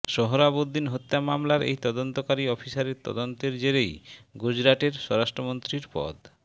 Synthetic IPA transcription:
ʃɔɦoɾabod̪ːinɦot̪ːamamlaɾḛjt̪ɔd̪ont̪okaɾiɔpʰisaɾeɾt̪ɔ̰d̪ont̪eɾd͡ʑeɾejɡud͡ʑɾaʈeɾʃɔɾaʃʈɾomont̪ɾiɾpɔ̰d̪

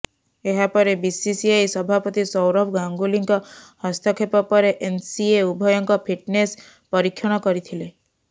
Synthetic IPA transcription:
eɦapɔɾebisisiejsɔbʱapɔt̪isɔwɾɔbɡaŋɡuliŋkɔhɔst̪ʰɔkʰepɔpɔɾeʔensieubʱɔjɔŋkɔpʰiʈnes | pɔɾikʰːjɔɽ̃ɔkɔɾit̪ʰile

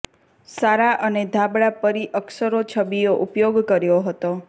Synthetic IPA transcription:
saɾaʔəned̪ʱabɭapəɾiʔəksəɾot͡ʃʰəbioʔupjoɡkəɾjoɦət̪o

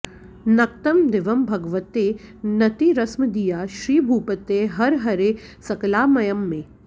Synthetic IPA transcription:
nɐk̚t̪ɐmd̪ɪʋɐmbʱɐɡʋət̪enɐt̪iɾɐsmd̪ijaːʃɾiːbʱuːpət̪eɦɐɾɦɐɾesɐklaːmɐjɐmːẽː

